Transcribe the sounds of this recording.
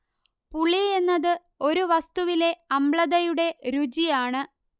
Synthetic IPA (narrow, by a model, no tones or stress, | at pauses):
puɭie̞nːɐðɨ | o̞ɾuʋɐst̪uʋile̞ɐmɭɐðɐjuɽe̞ɾud͡ʑijaːɳɨ